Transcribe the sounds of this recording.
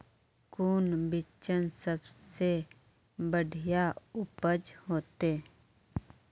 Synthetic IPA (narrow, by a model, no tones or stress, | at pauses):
kuːnbɪt͡ʃənsəbse | bəɖʱijaʊpəd͡ʒɦoːt̪eː